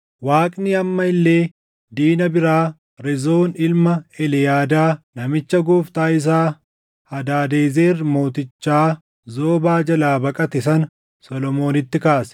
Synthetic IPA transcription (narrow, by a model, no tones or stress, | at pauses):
waːkʼnɪɐmːɐɪlːe̞ː | d̪iːnɐbɪɾaː | ɾɛzo̞ːnɪlmɐɛlɛjaːd̪aːnɐmɪt͡ʃːɐɡuːft̪aːɪs̬aː | hɐd̪aːd̪e̞ːzeːrːmo̞ːt̪ɪt͡ʃːaː | zo̞ːbaːd͡ʒɐlaːbɐkʼɐt̪ɛsɐn | sɔlɔmo̞ːnɪt̪ːɪkaːsɛ̥